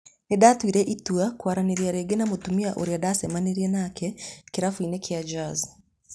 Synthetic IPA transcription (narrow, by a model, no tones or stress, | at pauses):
nedatwiɾɛʔituakwaɾaneɾiaɾeːɡenamotumiaʔoɾeadasɛmaneɾiɛnakɛkeɾafwinekʰead͡ʒaz